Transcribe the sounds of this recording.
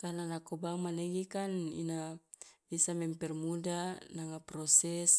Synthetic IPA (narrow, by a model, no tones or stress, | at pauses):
kananakobaŋmaneɡikanḭna | isamɛmpɛrmudanaŋapɾosɛs